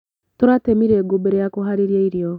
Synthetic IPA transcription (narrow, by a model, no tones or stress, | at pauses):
toɾatemiɾeːɡobeɾejakoɦaɾiɾjaiɾjɔ